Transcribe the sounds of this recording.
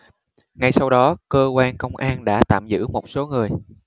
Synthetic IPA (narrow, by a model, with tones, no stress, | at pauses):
ŋa˧jsa˧wɗɔ˨˦kəː˧kwaː˧nkə˧wŋ͡mʔaː˧nɗa̰ː˧˥t̪a̰ː˧˨mzɨ̰˧˥mo˨˩t̚so˨˦ŋɨ˨˩əj